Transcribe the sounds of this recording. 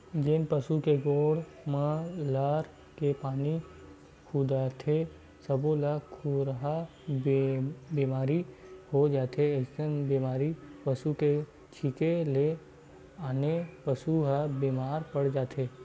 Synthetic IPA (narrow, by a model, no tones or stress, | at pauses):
d͡ʒɪnpəsukeɡoːɽ | məlaɾ | kepaːni | kʰud̪aːt̪ʰe | səbolakʰuɾɦa | biːmaːɾihod͡ʒaːt̪ʰeesənbiːmaːɾipəsuke | t͡ʃʰikele | aːnepəsuɦabiːmaːɾpəɽd͡ʒaːt̪ʰeː